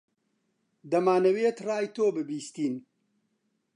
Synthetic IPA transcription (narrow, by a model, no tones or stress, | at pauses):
d̪ɐmaːnɐweːt̪raːjt̪oːbɨbiːst̪iːn